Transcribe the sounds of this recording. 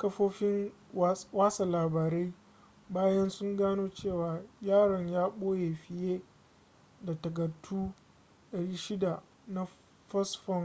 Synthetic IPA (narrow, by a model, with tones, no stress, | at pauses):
kɐ˦ɸoː˦ɸɪ˦ŋ˦ | waː˦sa˨laː˨baː˨ɾa˦j | baː˦jɐ˦nsʊ˦ŋɡaː˦noː˦t͡ʃeː˦˨waː˨jaː˦˨ɽɐ˨ɲjaː˦ɓoː˦je˨ɸɪ˨jeː˦ | da˨tɐ˨ɡɐ˨tʰːuː˦ | ɗɐ˨ɽiː˦ʃɪ˦da˨ | na˦ | ɸɐ˦sɸɔ˦ŋ